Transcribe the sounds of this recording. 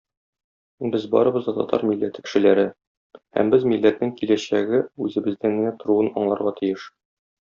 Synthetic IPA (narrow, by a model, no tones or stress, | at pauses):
bɘzbɒ̰ɾɤ̆bɤ̆zd̪ɑt̪ɒ̰t̪ʰɑ̰ɾmilːæt̪ɘ̥kɘ̥̆ʃɘ̆læɾɘ | hæ̰mbɘzmilːæt̪nɘŋkilæɕæɡɘʉzɘ̆bɘ̆zd̪ænmɘ̆næt̪ŏɾuɤnɒɴlˠɑɾʁɑt̪ĭjɘʃ